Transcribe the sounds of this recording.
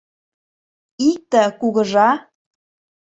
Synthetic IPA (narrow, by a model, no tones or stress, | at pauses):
ik̚t̪ə̆kuɣə̆ʒɑ